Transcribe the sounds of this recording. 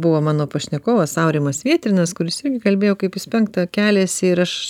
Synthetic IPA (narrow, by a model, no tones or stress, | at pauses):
bʊʋoːmɑːnoːpɐʃʲnʲɛkoːʋɐsɐʊɾʲiːmɐsʋʲiɛt̪ʲɾʲɪnɐskʊɾʲɪsɪrʲɡʲɪkɐlʲbʲeːjoːkɐɪpɪspʲɛŋk̚t̪ɐkʲæːlʲɛːsʲɪɾɐʃ